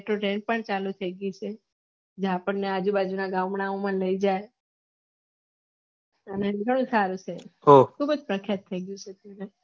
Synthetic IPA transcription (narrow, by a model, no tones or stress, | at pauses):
eʈɾoʈẽɳʈ̚pəɳt͡ʃalut̪ʰəiɡjut͡ʃʰe | d͡ʒẽapəɳːead͡ʒubad͡ʒunaɡãmɳaomãləid͡ʒae | əneɡʱəɽ̃ũsaɾut͡ʃʰeɦokʰubəd͡ʒpɾəkʰjat̪ʰːəiɡjũt͡ʃʰet̪ane